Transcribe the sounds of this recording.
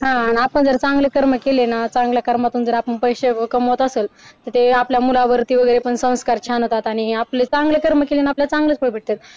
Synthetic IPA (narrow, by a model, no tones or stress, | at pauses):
ɦãːniapəɳd͡zəɾt͡sãŋɡlekəɾməkelenat͡sãŋɡljakəɾmat̪uːnd͡zəɾapəɳpəjɕeəkəmɦot̪əseːlt̪ət̪eapljamulaʋəɾt̪iːʋəɡəjɾepəɳsə̃w̃skaɾt͡ɕʰanot̪at̪aɽ̃iaplet͡sãŋɡlekəɾməkelenaapljat͡sãŋɡlet͡spəɭbʱiʈ̚t̪et̪̚